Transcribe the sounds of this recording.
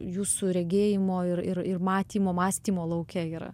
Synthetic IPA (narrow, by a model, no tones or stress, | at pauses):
juːsuɾʲɛɡʲeːjɪmoːɪɾɪɾɪrmɑːt̪ʲiːmoːmɑːsʲt̪ʲiːmoːlˠɐʊkʲɛiːɾɐ̰